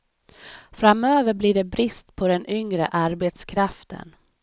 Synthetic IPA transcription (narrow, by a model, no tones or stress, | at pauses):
fɾamøːvəɾbliːɖɛbɾɪst̪pʰɔd̪ɛnʏŋɾə̰ʔaɾbet̪skʰɾaft̪ʰə̰n